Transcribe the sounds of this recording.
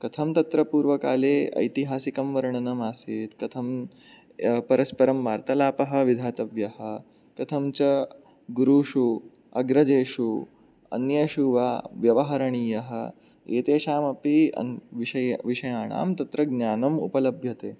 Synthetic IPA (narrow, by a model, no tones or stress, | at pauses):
kɐt̪ʰɐmt̪ɐt̪ɾɐpuːɾʋɐka̰ːleːɐ̰jt̪iɦaːsikɐmʋɐɾɐɳɐnɐmaːsiːt̪kɐt̪ʰɐm | pɐɾɐspɐɾɐmʋaːɾt̪ɐlaːpɐɦɐ̆ʋid̪ʱaːt̪ɐʋjɐɦɐ̆ | kɐt̪ʰɐmt͡ʃɐ | ɡuɾuːʂu | ɐɡɾɐd͡ʒeːʃu | ɐ̰njɐʃuʋa̰ːʋjɐʋɐɦɐɾɐɳiːjɐɦɐ̆ | eːt̪eːʃaːmɐpiɐ̰ʋiʃɐjʋiʃɐjaːɳa̰ːmt̪ɐt̪ɾɐɡnjaːnɐmṵpɐlɐbʱjɐt̪eː